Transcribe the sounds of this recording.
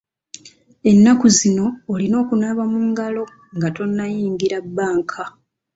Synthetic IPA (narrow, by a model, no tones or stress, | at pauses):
e̞nːakuzino̞ːlino̞ːkunaβamuŋɡalo̞ | ŋɡato̞nːajiːŋɡiɾabːaːŋkʰa